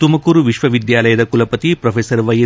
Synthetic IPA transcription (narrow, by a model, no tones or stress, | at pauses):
t̪umɐkuːɾuʋiʃʋɐʋid̪jaːlɐjɐd̪ɐkulɐpɐt̪ipɾɐpʰeːsɐɾʋɐjɐ